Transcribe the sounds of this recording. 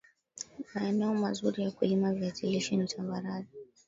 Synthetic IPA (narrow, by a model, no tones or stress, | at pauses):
maɛnɛɔmazuɾijakuimaviatiliʃinitambaɾazi